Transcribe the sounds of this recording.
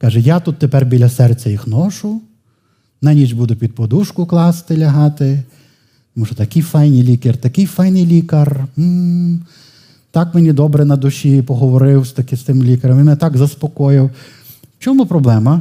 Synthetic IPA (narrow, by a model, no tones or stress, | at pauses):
kɑʒɛjat̪ut̪ːepɛrbʲilʲɐsɛrt͡sʲɐjixnɔʃʊ | nanʲid͡ʒbud̪ʊpʲid̪̚pɔd̪uʃkʊklˠɑst̪ɪlʲɐɦɑt̪ɪ | t̪ɔmuʃɔt̪ɐkɪjfɑjnʲijlʲikert̪ɐkɪjfɑjnɪjlʲikɐrm̩ | t̪ɑkmenʲid̪ɔbɾɛnɐd̪ʊʃʲipɔɦɔʋɔɾɪwst̪ɐkɪst̪ɪmlʲikɐɾɐmimɛnɛt̪ɑɡzɐspɔkɔjɪw | t͡ʃɔmupɾɔblˠɛmɐ